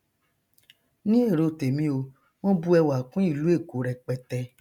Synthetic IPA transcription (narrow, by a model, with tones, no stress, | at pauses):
nĩ˦e˦˨ɾo˧te˨mĩ˦o˧ | w̃ɔ̃˦bu˦ɛ˧wa˨kũ˦i˦˨lu˦e˦˨ko˨˦ɾɛ˧k͡pɛ˧tɛ˧